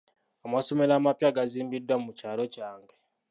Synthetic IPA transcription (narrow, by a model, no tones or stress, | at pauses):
amaso̞me̞laːmapjaɡaziːmbidːwamucaːlo̞caːŋɡe